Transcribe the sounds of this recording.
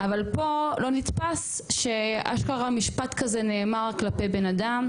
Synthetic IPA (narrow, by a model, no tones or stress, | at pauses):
avalpo̞lo̞nit̪pas | ʃe̞a̰ʃkaʁamiʃpat̪kazeneːmaʁklape̞jbe̞nadam